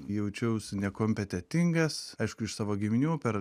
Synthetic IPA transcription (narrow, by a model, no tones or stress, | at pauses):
jɛʊt͡ʃʲɛʊsnʲɛkoːmʲpʲɛt̪ʲɛt̪ʲɪŋɡɐsɐɪʃkʊɪʃsɑːʋoːɡʲɪmʲnʲuːpʲɛɾ